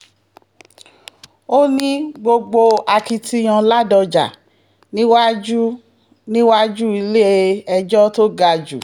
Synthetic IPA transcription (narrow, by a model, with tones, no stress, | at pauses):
o˦nĩ˦ɡ͡bo˧ɡ͡bo˧a˧ki˧ti˧j̃ã˧la˦dɔ˧d͡ʒa̰˨ | nĩ˦wa˦d͡ʒu˦ | nĩ˦wa˦d͡ʒu˦i˧le˦e˦ɛ˧d͡ʒɔ˦to˦ɡa˧d͡ʒṵ˨